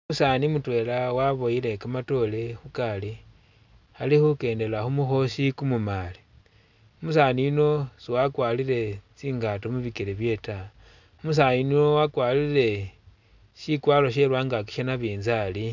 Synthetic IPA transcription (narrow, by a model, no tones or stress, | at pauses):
musanimutwe̞lawaβo̞jile̞kamato̞le̞xukali | alixuke̞ːnde̞laxumuxo̞ʃikumumali̥ | umusaniːno̞siwakwalile̞t͡siːŋɡatomuβikeɾeβje̞ta | umus̬aninowakwaːlile̞ | ʃikwaːloʃ̬e̞lwaːŋɡak̬i̥ʃanaβiːnzali